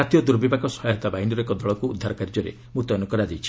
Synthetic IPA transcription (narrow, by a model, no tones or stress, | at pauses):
at̪ijɔd̪uɾbibakɔsɔɦjɦɔt̪abaɦinɔɾɔekɔd̪ɔɭɔkuud̪ʱːaɾɔkaɾd͡ʒɔɾḛ | mut̪ɔnukɔɾad͡ʒ̪ejt͡ʃʰi̥